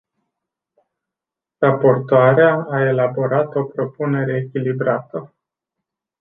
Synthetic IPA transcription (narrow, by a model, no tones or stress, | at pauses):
rapo̞rt̪oaɾeaːe̞labo̞ɾat̪o̞pɾo̞pune̞ɾe̞ːkʲilibɾat̪ə